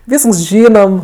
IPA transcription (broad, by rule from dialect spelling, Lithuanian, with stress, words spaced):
ˈʋʲiːsks ˈʒʲiːnoːm